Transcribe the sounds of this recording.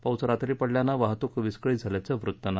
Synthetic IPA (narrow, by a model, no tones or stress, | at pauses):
pawt͡səɾat̪ɾiːpəɽljanaʋaɦt̪ukʋiskɭiːd͡zʱaljat͡səʋɾut̪ːəna